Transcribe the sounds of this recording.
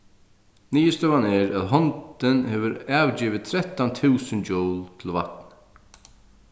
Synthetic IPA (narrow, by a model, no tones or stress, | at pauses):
niːəst̪œwanɛɹæðɦɔnt̪ɪnhɛvʏɾaːwt͡ɕiːʋɪt̪ʰɾɛt̪ant̪ʰʉːsɪnd͡ʒɔwlt̪ʰɪlva̰t̪n